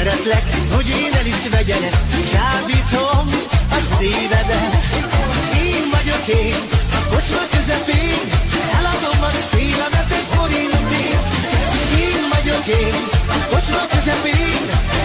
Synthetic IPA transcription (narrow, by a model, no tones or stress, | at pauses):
ɛɾɛt̪lɛkho̞ɟeːnɛniʃvɛɟɛlɛzaːvit̪omɒsiːvɛd̪ɛt̪ | eːnvɒɟo̞keːnko̞t͡ʃmɒkøzɛpeːnɛlɒd̪o̞mːɒnsiːvɛvɛt̪ːɛfo̞ɾint̪e | eːnvɒɟo̞keːnko̞t͡ʃmɔkøzɛpeːn